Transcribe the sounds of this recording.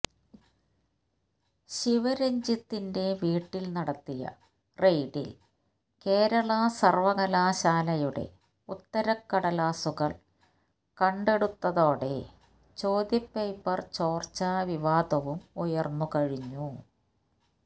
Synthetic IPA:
ɕiʋɐɾeɲd͡ʑit̪ːinde̞ʋiːʈːilnɐɽɐt̪ːijɐ̰ | rejɖḭl | ke̞ːɾɐɭɐsɐrʋɐɣɐlaːɕaːlɐjuɽe̞̰ | ut̪ːɐɾɐkːɐɽɐlaːsuɣɐɭ | kɐɳɖe̞ɽut̪ːɐðo̞ːɽe̞̰ | t͡ɕo̞ːd̪jɐpːejpːɐrt͡ɕo̞ːrt͡ɕaʋiʋaːd̪ɐʋumujɐrnːukɐɻiɲːu

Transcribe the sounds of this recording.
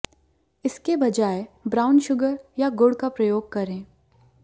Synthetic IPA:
ɪskebɐd͡ʒaːebɾaːʊnʃʊɡəɾjaɡʊɽkapɾɐjoːɡ̚kɐɾẽː

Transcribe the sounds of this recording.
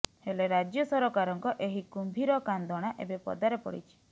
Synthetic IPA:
heleɾad͡ʒjɔsɔɾɔkaɾɔŋkɔʔeɦikumbʱiɾɔkand̪ʱɔɽ̃aʔebepɔ̰d̪aɾepɔ̰ɽḭt͡ʃʰi̥

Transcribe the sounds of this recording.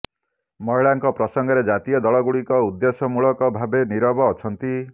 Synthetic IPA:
mɔjɭaŋkɔpɾɔsɔŋɡɔɾed͡ʒat̪ijɔd̪ɔɭɔɡuɽikɔud̪ːesɔmuɭɔkɔbʱabeniɾɔbɔːt͡ʃʰɔnt̪i

